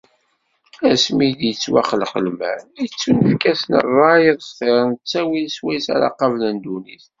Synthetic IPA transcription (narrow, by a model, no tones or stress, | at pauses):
æsmid̪jət͡sːwæχəlχəlmæ̰nit͡sːunəfkæsnə̰rˤːɑjəðˤsθeɾˤnət͡sːæwilswæjsa̰ɾɑ̰qɑvlænd̪uniθ